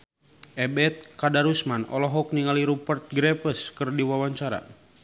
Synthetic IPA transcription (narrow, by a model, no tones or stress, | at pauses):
ʔɛbɛt̪̚kadaɾusmanɔ̰lɔɦɔk̚niŋaliɾupərt̪̚ɡɾɛpəskɨrdiwawaɲt͡ʃaɾa̰